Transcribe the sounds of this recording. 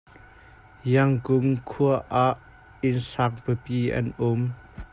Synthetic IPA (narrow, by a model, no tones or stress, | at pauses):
jɐŋkʊmkʰuəʔaʔ | ɪnsak̚pəpiːʔɐ̰nʔʊm